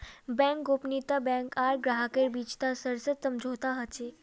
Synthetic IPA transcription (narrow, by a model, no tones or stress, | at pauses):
bɛ̃ŋkɡopnit̪abɛ̃ŋkaɾɡɾaɦakeɾbit͡ʃt̪asəɾsəsəmd͡zʱot̪aɦat͡ɕe